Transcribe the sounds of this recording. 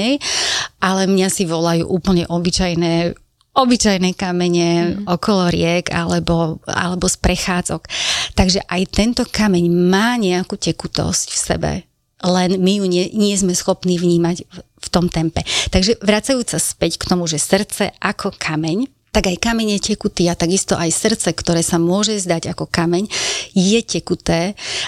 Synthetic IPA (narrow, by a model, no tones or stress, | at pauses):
ɛjʔalɛmɲasiʋɔlajṵːʔuːpl̩ɲɛʔɔbit͡ʃajnɛː | ɔbit͡ʃajnɛkamɛɲɛɔkɔlɔɾɪɛɡa̰lɛbɔa̰lɛbɔspɾɛxaːd͡zɔkt̪aɡʒɛʔajt̪ɛnt̪ɔkamɛɲmaːɲɛakucɛkut̪ɔ̰scfsɛ̰bɛ̰ | lɛnmijuɲɛɲɪɛzmɛsxɔpniːvɲiːmaɟ | ft̪ɔmt̪ɛmpɛt̪aɡʒɛʋɾat͡sajuːt͡saspɛckt̪ɔmuʒɛsr̩t͡sɛ̰ʔakʰɔkʰamɛɲ | t̪aɡajkamɛɲjɛcɛkut̪iːat̪aɡist̪ɔʔajsr̩t͡sɛkt̪ɔɾɛːsamʊɔʒɛzd̪aɟakɔkamɛɲjɛcɛkut̪ɛː